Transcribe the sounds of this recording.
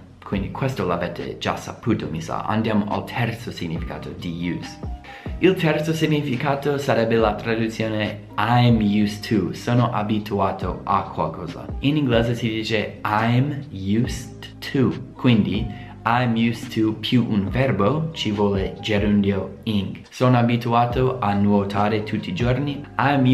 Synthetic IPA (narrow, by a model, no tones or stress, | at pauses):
kʰwind̪ikʰwest̪olavɛt̪ḛd͡ʒa̰sapuːt̪omisa̰ʔa̰nd̪jaːmoʔa̰lt̪ʰɛrt̪sosiɡɲifika̰ːt̪od̪ijus | ilt̪ɛrt̪sosiɲːifikaːt̪osaɾɛbːelat̪ɾad̪ut̪sjoːne | ajmjust̪ʰusoːnoʔabit̪ʰuaːt̪ʰoa̰kʰwalkʰɔːza̰iniŋɡleːzesid̪iːt͡ʃeajmjust | t̪ʰːukwind̪i | ajmjust̪ʰupʰjuʔunvɛrbot͡ʃivwɔːled͡ʒeɾund̪ioiŋɡ | sonoabit̪uaːt̪oʔanwot̪ʰaːɾet̪ʰut̪ːiːd͡ʒorniajm